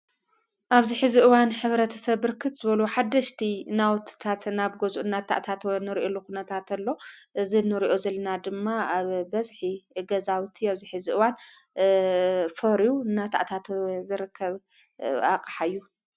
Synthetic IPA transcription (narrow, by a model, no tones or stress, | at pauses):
ʔaβziħɨziʔɨwanħɨβɾɐt̪ʰɐsɐβːɨɾkʰɨt̪z̥ɨβɐluħad̪ɐʃt̪ʰinawt̪ʰt̪ʰat̪naβɡozuʔɨnːat̪ʰa̰ʔt̪ʰat̪nɨɾʔolːukunɐt̪ʰat̪ɐlːo̞ʔɨzinɨɾiʔo̞zɐlɐnad̪ɨmːaaβbɐzħiɡɐzawt̪ʰiaβziħɨziʔɨwan | fɐɾijuɨnːat̪ʰa̰ʔt̪ʰat̪zɨɾɨkʰːɐβ | a̰kʼħajːu